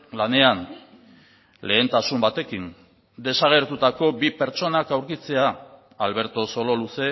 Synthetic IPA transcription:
lane̞an | le̞ːnt̪asumbat̪e̞kin | d̪e̞saɣ̞e̞ɾt̪ut̪ako̞bipe̞ɾt͡so̞nakawɾkit͡se̞aː | lβe̞ɾt̪o̞so̞lo̞luse̞

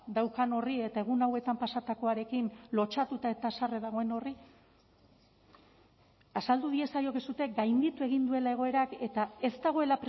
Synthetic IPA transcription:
d̪awkano̞rie̞t̪ae̞ɣ̞unawe̞t̪ampasat̪ako̞aɾe̞kinlo̞t͡ʃat̪ut̪ae̞t̪asare̞ðaɣ̞o̞e̞no̞ri | asald̪uð̞ie̞sajo̞kesut̪e̞ɡajnd̪it̪ue̞ɣ̞ind̪ue̞lae̞ɣ̞o̞e̞ɾake̞t̪ae̞zt̪aɣ̞o̞e̞lapɾ

